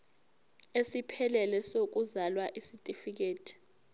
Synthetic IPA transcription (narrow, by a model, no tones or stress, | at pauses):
esipʰɛlɛlɛsok̬uzalwaʔisitʼifik̬eːtʰi̥